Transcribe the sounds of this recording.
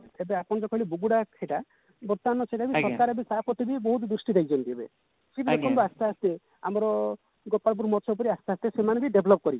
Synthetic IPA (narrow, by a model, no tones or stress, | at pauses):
t̪ebeapɔɽ̃d͡ʒɔkɔjlibuɡuɽakʰeʈa | bɔt̪ːanːɔt͡ʃeʈabisɔɾkaɾɔbisapɔt̪ibibɔɦut̪d̪usʈid̪eid͡ʒɔnt̪iebḛ | sibid͡ʒekʰɔmbiast̪east̪e | amɔɾɔ | ɡɔpːaɭp̬uɾmɔt͡ʃʰɔupɔɾiast̪east̪esemanebiɖebʱlɔp̚kɔɾit͡ʃ